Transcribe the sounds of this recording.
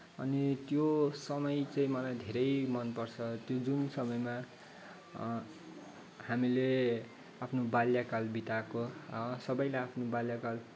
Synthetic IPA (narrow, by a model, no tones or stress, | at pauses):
ʌnit̪josʌmʌjt͡saĩmʌlajd̪ʱeɾʌjmʌnpʌrt͡sʰʌt̪jod͡zunsʌmʌjma | hamile | apʰnobaljakalbit̪akosʌbʌjlajapʰnobaljakal